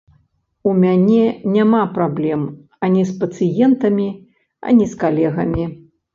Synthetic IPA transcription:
umʲanʲɛnʲamapɾablʲɛm | ɐnʲispɐt̪sɨjɛnt̪ɐmʲi | ɐ̰nʲiskalʲɛɣɐmʲi

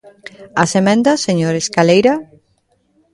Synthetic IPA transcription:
asemɛ̃nd̪ɐseɲoɾeskalejɾa

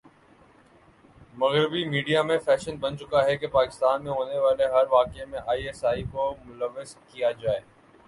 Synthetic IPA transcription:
mɐɣɾɪbimiːɖijamẽfɛːʃənbənt͡ʃʊkaɦɛkepaːkɪ̥st̪aːnmẽɦoːneʋaːleɦɐɾʋaːkemẽʔaːieːsaːikomʊləʋːɪzkijad͡ʒaːeː

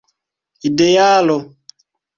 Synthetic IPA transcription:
idejaːlo

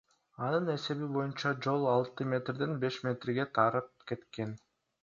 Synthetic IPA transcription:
ɑnɯne̞se̞βibo̞junt͡ʃɑd͡ʒo̞lˠɑlˠt̪ɯmʲe̞t̪rd̪enbe̞ʃmʲet̪rɡe̞t̪ʰɑɾɯp̚ke̞t̪ke̞n

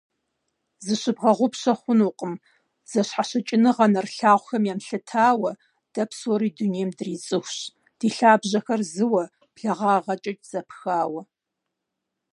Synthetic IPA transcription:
zɨɕɨbʁɐʁʷʊpɕɐχʷʊnuːqʼəm | z̥ɐɕħaʃɐt͡ʃʼɪnɨʁɐnɐrɬaːʁʷxɐmjaːmɬɨtʰaːwɐ | d̥ɐpsoːɾiːdunijɛmdɨriːt͡sʼɨxʷɕ | d̥iːɬaːbʑɐxɐrzɨwɐ | pɬɐʁɑːʁɐt͡ʃʼɐt͡ʃʼz̥ɐpʰxaːwɐ

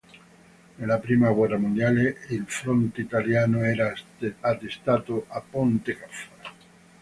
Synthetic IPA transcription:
nelapɾimaɣwɛramũnd̪jaleilfɾont̪eit̪aljanoɛɾaat̪est̪at̪oʔapont̪ekafa

